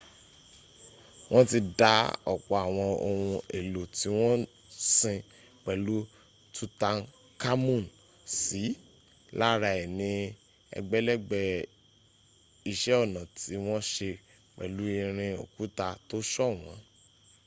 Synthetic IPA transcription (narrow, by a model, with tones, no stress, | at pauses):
w̃ɔ̃˦ti˧da˦ɔ˨k͡pɔ˧a˨w̃ɔ̃˧o˧wũ˧e˨lo˨ti˨˦w̃ɔ̃˦ | sĩ˧ | k͡pɛ˨lu˦ | tu˦ta˧n | ka˦mũ˦˨n | si˨˦ | la˦ɾa˧ɛ˨nĩ˧ | ɛ̰˧ɡ͡bɛ˦lɛ˦ɡ͡bɛ˧ | i˧ʃɛ˦ɔ˦˨nã˨ti˨˦w̃ɔ̃˦ʃe˧ | k͡pɛ̰˨lu˦i˧ɾ̃ĩ˧o̰˨ku˨˦ta˧to˦ʃɔ˦˨w̃ɔ̃˨˦